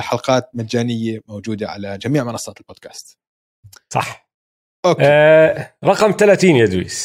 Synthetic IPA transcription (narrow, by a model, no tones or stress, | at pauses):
ħɑlqɑːt̪̚mad̪ːaːnɪjːamowd͡ʒuːd̪aʕa̰lad͡ʒamiːʕmɑnɑsˤːɑːt̪ɪlboːd̪̥kḁ̰ːst̪ | sˤɑ̰ħ | ʔoːk | ɾˤɑqɑmt̪alat̪iːnjad̪wḭːs